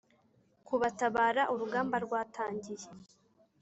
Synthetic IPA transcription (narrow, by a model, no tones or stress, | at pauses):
kuβataβaːɾaʔuɾuɡaːmbaɾɡwaːtʰaːɲɟije